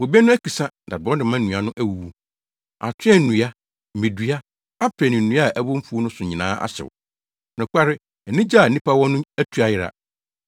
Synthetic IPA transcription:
wo˨bɛ˦nʊ̃˦æ˦kʰi˨sã˦na˨dɔ̃˦dɪ˨mã˦nũ˨a˨nʊ̃˦ʔæ˦wu˨wu˦ | a˨tʰɪ̃˦ɛ˦˨nũ˨a˦ | mẽ˨du˨a˦ | a˦pʰɾɛ˨nɪ̃˨n̩˨nũ˦a˦˨ʔæ˦bʊ̃˦m̩˦fu˦o˦nʊ̃˦sʊ˨ɲĩ˨nã̰ː˦ʔa̰˦ɕɪ̰˨w | nɪ̃˨kʰʷa˦ɾɪ˦ | ɛ˨nĩ˦d͡ʑa˦˨nĩ˦pʰa˦wɔ̃˦nʊ̃˦æ˦tʰu˨a˨jɪ˨ɾa̰˨

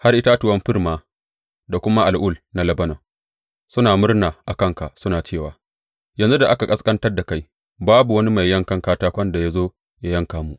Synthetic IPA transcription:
ha˦rʔɪ˦ta˦tʊ˨wɐ˦mɸɪ˦rmaː˨ | da˨kʷʊ˦ma˦ʔa˨lʔʊ˦˨lna˨lɐ˦bɐ˦nɐ˨ | sʊ˦naː˨mʊ˦rnaː˨ʔa˨kɐ˦˨ŋka˨ʔsʊ˦naː˨t͡ʃeː˦˨waː˨ | jɐ˨nzu˦da˨ʔa˦ka˨kʼɐ˦skʼɐ˦ntɐ˦rda˨ka˦j | baː˦bu˨wɐ˦ni˦ma˨jːɐ˦ŋkɐ˦ŋkaː˦taː˦kʷɐ˦nda˨ja˦zoː˦ | ja˦jɐ˦ŋkaː˨mu˨ʔ

